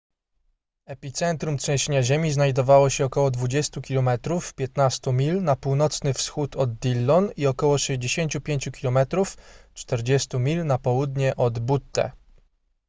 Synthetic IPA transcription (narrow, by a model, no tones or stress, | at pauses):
ɛpʲit̪sɛnt̪ɾumtʂɛ̃w̃ɕeɲaʑemʲiznajd̪ɔvawɔɕɛɔkɔwɔd̪vud͡ʑɛst̪ukʲilɔmɛt̪ɾufpʲjɛt̪nast̪umʲilnapuwnɔt̪snɘfsxut̪ɔd̪ːʲilːɔniɔkɔwɔʂɛʑd͡ʑeɕeɲt͡ɕupʲjeɲt͡ɕukʲilɔmɛt̪ɾuft͡ʂt̪ɛɾd͡ʑɛst̪umʲilnapɔwud̪ɲɛʔɔd̪but̪ːɛ̰